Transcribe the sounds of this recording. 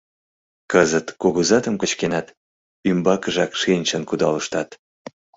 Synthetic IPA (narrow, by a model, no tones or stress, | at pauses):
kəzət̪koɣuzɑt̪əmkət͡ɕkenɑt̪ | ymbɑkəʒɑkʃenʲt͡ɕənkud̪ɑ̰ləʃt̪ɑt̪